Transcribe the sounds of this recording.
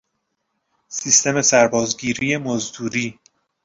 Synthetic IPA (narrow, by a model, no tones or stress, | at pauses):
sist̪ʰe̞me̞sæɾbɒːzɡiːɾiːje̞mozd̪uːɾiː